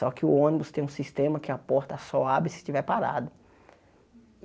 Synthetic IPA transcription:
ɔkɪʊõnibʊst̪ẽj̃ũsist̪ẽmɐkɪapɔɾt̪asɔabɾɪsɪ̥t͡ʃivɛɾpaɾa̰d̪ʊ

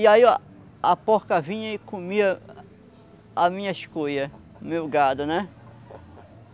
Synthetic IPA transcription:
ɪai | apoɾkɐvĩɲɐɪkõmiɐ | amĩɲɐɪʃkojɐ | mewɡad̪ʊnɛ

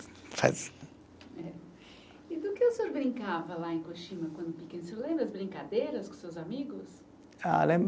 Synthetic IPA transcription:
fa̰z | ɛ | ɪd̪ʊkɪosoɾbɾĩŋkavɐlaẽkoʃĩmɐkwɐ̃nd̪ʊpikẽnselẽbɾɐzbɾĩŋkad̪ejɾɐskõsewzamiɡʊs | a̰lẽmb

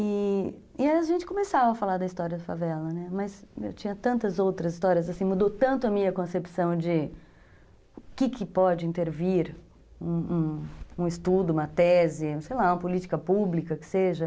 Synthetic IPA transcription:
ɪ | ɪaaʒẽnt͡ʃɪ̥kõmesavɐɐfalaɾd̪ɐist̪ɔɾiɐd̪ɐfavɛlɐnɛmɐsḛwt͡ʃĩɲɐt̪ɐ̃nt̪ɐzowt̪ɾɐzist̪ɔɾiɐzasĩmud̪ot̪ɐ̃nt̪ʊɐmĩɲɐkõsepi̥sɐ̃w̃d͡ʒɪ | kɪkʰɪpɔd͡ʒɪĩnt̪eɾviɾ | ũũũɪst̪ud̪ʊũmɐt̪ɛzɪ̃sejlaũɐpolit͡ʃɪ̥kɐpublikɐkɪ̥seʒɐ

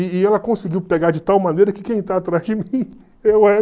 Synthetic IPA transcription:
ɪːɛlɐkõsɪɡiwpeɡad͡ʒɪt̪awmɐ̃nejɾɐkɪkẽj̃t̪aːt̪ɾazd͡ʒɪmĩ | ewɛ

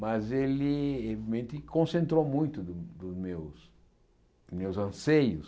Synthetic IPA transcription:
mɐzelɪevimẽnt̪ɪkõsẽnt̪ɾowmũj̃t̪ʊd̪ʊd̪ʊzmews | mewzɐ̃sejʊs

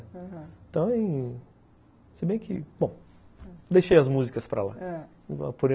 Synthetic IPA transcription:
t̪ɐ̃w̃ĩ | sɪbẽj̃kʰɪ̰bõ | d̪ejʃejɐzmuzikɐspɾɐ̰la̰ | va̰poɾ̃

